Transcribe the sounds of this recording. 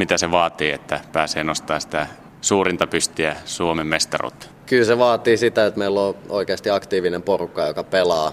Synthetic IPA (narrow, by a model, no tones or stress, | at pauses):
mit̪æseʋɑːt̪iːet̪ːæpæːseːnost̪ɑːssi̥t̪æ | suːrint̪ɑpyst̪iæsuomemmest̪ɑ̰rṵt̪ː | kylseʋɑːt̪iːsit̪æot̪meilːoo̰ikeɑst̪iɑkt̪iːʋinemporukːɑjokɑpelɑː